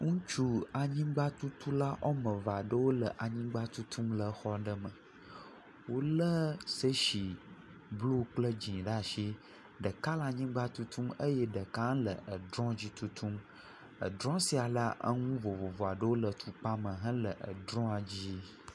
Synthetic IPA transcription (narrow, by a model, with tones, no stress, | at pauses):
ŋũ˦t͡ʃu˦a˨ɲĩ˦ɡ͡ba˦t̪u˦t̪ʰu˦la˦ʔɔ˦mə̃˨va˨ɖə˦wo˦lə˨ʔa˨ɲĩ˦ɡ͡ba˦t̪u˦t̪ʰũ˦mlə˨xɔ˦ɖə˦mə̃˨ | wo˦lə˦sə˦ʃi˨ | blu˦k͡plə˦d͡ʑĩ˨ɖa˦ʃi˦ | ɖə˨ka˦la˨ɲĩ˦ɡ͡ba˦t̪u˦t̪ʰũ˦mə˦je˦ɖə˨ka˦lə˨ə˨d̪ɾɔ̃˦d͡ʑi˦t̪u˦t̪ʰũ˦m | ə̰˨d̪ɾɔ̃˦si˦a˨la˦ʔə̰˦ŋũ˦vo˨vo˨vɔ˨a˨ɖə˦wo˦lə˨t̪ʰu˨k͡pa˦mə̃˨ɦã˦lə˨ʔə̰˨d̪ɾɔ̃˦a˨d͡ʑi˦